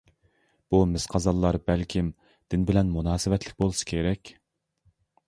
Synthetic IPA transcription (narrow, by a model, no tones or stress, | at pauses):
b̥umɪsqʰɑzɑlˠːɑɾbɛlkʲʰim | d̪̥ɪnbɪlɛnmunɑːsɪvɛt̪lɪ̥k̚ʲbolˠusɨ̥kʲʰeɾɛkʲ